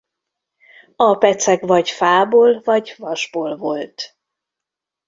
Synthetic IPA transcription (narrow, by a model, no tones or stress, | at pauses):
ɒpɛt̪sɛkvɒɟfaːboːlvɒɟvɒʒboːlvolt̪